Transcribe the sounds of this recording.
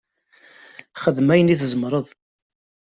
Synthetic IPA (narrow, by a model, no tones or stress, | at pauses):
χəðmæjəniθzəmɾˤəðˤ